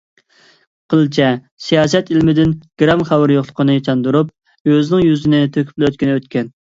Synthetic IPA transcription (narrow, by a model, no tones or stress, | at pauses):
qʰəlˠt͡ʃʰɛ | sijɑːsɛt̪ilmɪd̪ɪnɡ̥ɾɑmχæwɨɾjoχlˠəqʰənɨt͡ʃʰɑnd̪uɾup̚ | øzɪnɪŋjyzɪnɪt̪ʰøkʲy̥p̚løt̪̚kʲinɪøt̪̚kʲɛn